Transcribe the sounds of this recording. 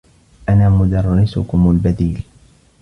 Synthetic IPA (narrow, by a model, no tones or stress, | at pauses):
ʔanaːmʊd̪ɑrˤːɪsʊkʊmʊlbad̪iːl